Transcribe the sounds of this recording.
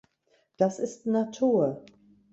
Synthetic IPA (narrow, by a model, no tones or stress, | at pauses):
d̥asɪstnatʰuːɐ